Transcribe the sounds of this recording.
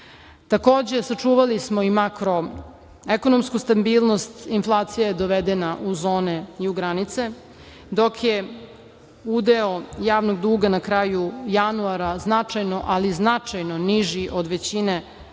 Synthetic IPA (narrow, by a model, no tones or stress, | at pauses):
t̪ako̞ːd͡ʑe̞sat͡ʂuːʋalismoimakɾo̞ | ekonomskust̪abiːlˠno̞st̪inflˠaːt̪sijajed̪oʋed̪enaʔuzo̞ːneiuɡɾanit̪se̞ | d̪o̞kje | ud̪eojaːʋnoɡ̚d̪uːɡanakɾajujanuaɾaznat͡ʂajno̞ʔaliznat͡ʂajnoniʒiʔod̪ʋet͡ɕine